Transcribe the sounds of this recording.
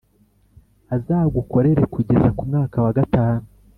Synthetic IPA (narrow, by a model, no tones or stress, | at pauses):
azaːɡuko̞ɾe̞ɾe̞kuɟe̞zakumŋaːkawaɡataːnu